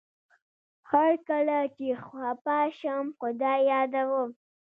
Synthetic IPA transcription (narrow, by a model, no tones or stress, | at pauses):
haɾkalat͡ʃexwɑpɑʃamxʊd̪ɑjɑd̪awəm